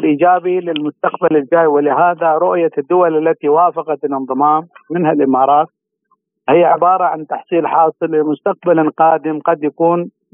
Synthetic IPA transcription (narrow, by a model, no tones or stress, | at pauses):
lʔiːd͡ʒaːbilɪlmʊst̪aqbalɪld͡ʒaːjwɪlɪɦaːðaɾʊʔjad̪ːʊwalalːat̪iwaːfɑqɑt̪ɪlɨnðˤɨmɑːmːɪnhalʔɪmɑːɾˤɑːt̪̚ | hɪjːaʕɪbɑːɾˤɑʕant̪ɑħsˤiːlħɑːsˤɨlːɪmʊst̪aq̚balqɑːd̪ɪmqɑd̪jakuːn